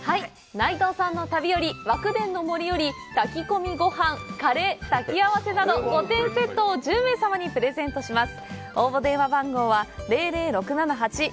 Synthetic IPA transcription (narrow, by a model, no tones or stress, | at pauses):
hai | nait̪o̞ːsãnːo̞t̪abʲijo̞ɾʲiβakɯ̟d̪ẽ̞nːo̞mo̞ɾʲijo̞ɾʲi | t̪akʲiko̞mʲiɡo̞hãŋkaɾe̞ːt̪akʲiaβase̞nad̪o̞kot̪ẽ̞ɰ̃se̞t̪ːo̞ːʑɨ̃ːẽːsamaɲ̟ipɯ̟ɾe̞zẽ̞nt̪o̞ɕimasɨ̥ | o̞ːbo̞d̪ẽ̞ɰ̃abãŋɡo̞ːβaɾe̞ːɾe̞ːɾo̞kɯ̟nanaɦat͡ɕi